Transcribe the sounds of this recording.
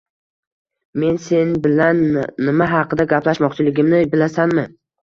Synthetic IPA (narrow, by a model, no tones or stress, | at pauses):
me̞nse̞nbɪlanːɪmaɦɑqʰɨd̪aɡʲaplaʃmɒqt͡ʃʰɪlɪɡʲɪmnɪbɪlasanmɪ